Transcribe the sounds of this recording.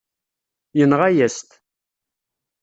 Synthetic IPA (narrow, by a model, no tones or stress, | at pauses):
jənʁajæst̪